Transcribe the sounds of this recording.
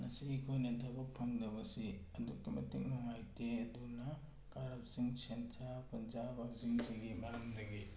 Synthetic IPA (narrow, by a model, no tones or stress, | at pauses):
nɐsikʰojnetʰabɐk̚pʰɐŋdɐbɐsi | ɐdukːimɐ̰tiŋ̚noŋajteɐdunɐ | kaɾɐp̚siŋsentʰɾapɐnzabɐziŋziɡimɐjamdɐɡi